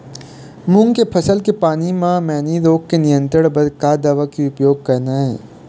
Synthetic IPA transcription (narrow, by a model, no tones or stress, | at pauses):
mʊ̃ŋɡkepʰɐsəlkepaːnimãmɛ̃ːniɾoːkkenɪjə̃nt̪ɾəɽbɐd̪kaːd̪aʋakiʊpjoːɡ̚kɐɾnaːɦɛ̰̃ː